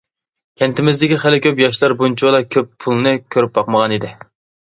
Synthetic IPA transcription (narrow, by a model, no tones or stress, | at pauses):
kʲʰɛnt̪ɪmɪzd̪ɪkʲiχælɪkʲʰøp̬jɑʃlˠɑɾbunt͡ʃʰiwlˠɑkʲʰøppʰulˠnɨkʲʰøɾyp̚bɑqməʁɑnid̪ɪ